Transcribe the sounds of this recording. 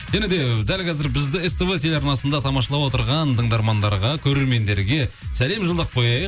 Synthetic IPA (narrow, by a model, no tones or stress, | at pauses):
ʒ̥æned̪e̞d̪ælkʰʲɑzɪɾbɪzd̪ɪest̪əvət̪ʰelɑɾnɑsənd̪ɑt̪ʰɑmɑʃɑlˠɑwo̞t̪əɾʁɑnt̪ʰəɴd̪ɑɾmɑnd̪ɑɾʁɑkʲʰɵɾe̞ɾme̞nd̪e̞ɾɡʲe̞sæle̞mʒəlˠd̪əq̚pʰo̞jɑjəq̚